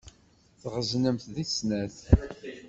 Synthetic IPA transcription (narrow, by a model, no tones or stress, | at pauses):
θʁəznəmθðisnæθ